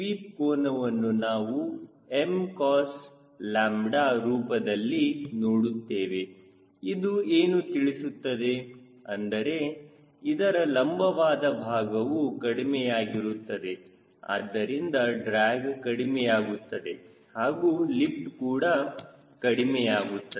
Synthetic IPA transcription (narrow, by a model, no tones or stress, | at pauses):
ʋiːp̚koːnɐʋɐnːunaːʋu | emkaːs | laːmɖaːɾuːpɐd̪ɐlːinoːɽut̪ːeːʋe̞ | id̪ueːnut̪iɭisut̪ːɐd̪e̞ | ɐnd̪ɐɾe̞ | id̪ɐɾɐlɐmbʱɐʋaːd̪ɐbʱaːɡɐʋukɐɽimɛjaːɡiɾut̪ːɐd̪e̞ | a̰ːd̪ːɐɾind̪ɐɖɾaːɡkɐɽimɛjaːɡut̪ːɐd̪e̞ | haːɡuːlip̚ʈkuːɽɐ | kɐɽimɛjaːɡut̪ːɐ